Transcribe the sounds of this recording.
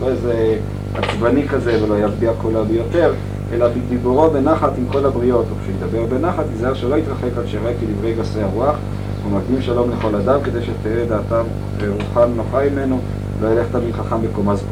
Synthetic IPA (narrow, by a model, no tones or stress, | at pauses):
loeze | at͡svanikaze̞velo̞jazbiakulabejo̞t̪e̞ʁ | ʔelabid̪ibuʁobe̞naχat̪imko̞labʁio̞t̪okʃeid̪abe̞ʁbe̞naχat̪izaʁʃelo̞it̪ʁaχe̞kalʃeʁekid̪ivʁejɡaseaʁuaχ | vumaɡimʃalo̞mleχo̞lad̪amked̪ejʃet̪ejed̪aːt̪am | eʁuχanno̞χamime̞no | lo̞jeleχtaminχaχambekomaz